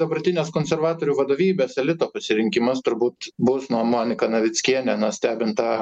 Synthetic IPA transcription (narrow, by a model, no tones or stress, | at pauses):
d̪ɐbɐrʲt̪ʲɪnʲeːskoːnʲsʲɛrʋɑːt̪oːɾʲuːʋɐd̪oːʋʲiːbʲeːsɛlʲɪt̪oːpɐsʲɪɾʲɪŋʲkʲɪmɐst̪ʊɾbuːt̪bʊsnuɔmonʲɪkɐnɐʋʲɪt͡s̪ʲkʲiɛnʲɛnɐsʲt̪ʲæːbʲɪnt̪ɑ